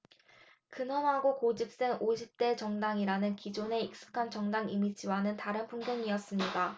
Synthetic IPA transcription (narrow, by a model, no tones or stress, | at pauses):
kɯnʌmɦaɡokod͡ʑip̚s͈eŋoɕʰip̚t͈e̞t͡ɕʌŋdaŋiɾanɯnkid͡ʑone̞ik̚s͈ɯ̥kʰant͡ɕʌŋdaŋimid͡ʑʰiwanɯntaɾɯnpʰuŋɡjʌŋiʌs͈ɯmɲida